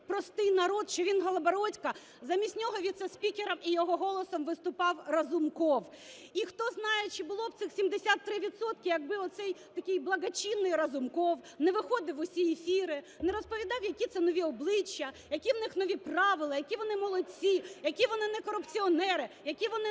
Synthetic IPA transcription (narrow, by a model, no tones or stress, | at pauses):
pɾɔst̪ɪjnɐɾɔd̪ʃt͡ʃɔʋʲinɦɐlˠɐbɐɾɔtʲkɐ | zɐmʲisʲnʲɔɦɔʋʲid̪sɛsʲpʲikʲeɾɐmijɔɦɔɦɔlˠɔsɔmʋɪst̪ʊpɑwrɐzʊmkɔwixt̪ɔznɑjɛt͡ʃɪbʊlˠɔwt̪sɪxsʲimd̪esʲat̪ːɾɪʋʲit̪sɔt̪kɪjɐɡ̚bɪɔt̪t̪sɛjt̪ɐkʲɪjblˠɐɡɐt͡ʃʲinːɪjrɐzʊmkɔw | nɛʋɪxɔd̪ɪwʊsʲijifʲiɾɪ | nɛɾɔspɔʋʲid̪ɑwjɐkʲit̪sɛnɔʋʲiɔblˠɪt͡ʃːɐjɐkʲiwnɪxnɔʋʲiprɑʋɪlˠɐjɐkʲiʋɔnɪmɔlˠɔt͡sʲijɐkʲiʋɔnɪnɛkɔɾʊpt͡sʲiɔnɛɾɪjɐkʲiʋɔnɪ